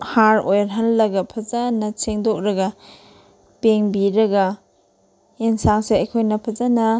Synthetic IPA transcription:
haɾojɾɦanlɐɡɐpʰɐzanɐseŋdok̚ɾɐɡɐ | peŋbiɾɐɡɐ | insaŋseɐjkʰojnɐpʰɐzanɐ

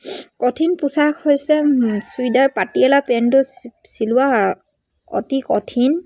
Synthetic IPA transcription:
kɔtʰinpusaxhojsɛsuidaɹpatiɛlapɛntʊsilʊwa | ɔ̰tikɔtʰin

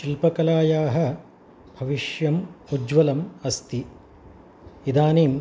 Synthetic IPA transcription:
ʃilpɐkɐlaːjaːɦɐ̆ | bʱɐʋiʃjɐmud͡ʒʋɐlɐmɐst̪i | id̪aːniːm

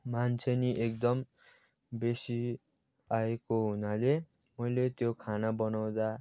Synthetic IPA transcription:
mant͡sʰeniʔek̚d̪ʌm | besi | aekoɦunale | mʌjlet̪jokʰanabʌnaw̃d̪a

